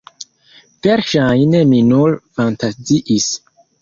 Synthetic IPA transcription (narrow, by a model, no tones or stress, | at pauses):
veɾʃajneminulfantaziʔis